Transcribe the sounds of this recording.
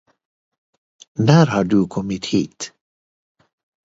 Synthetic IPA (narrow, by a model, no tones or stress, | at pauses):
næːɾhaɖɵkʰɔmːɪt̪hḭːt̪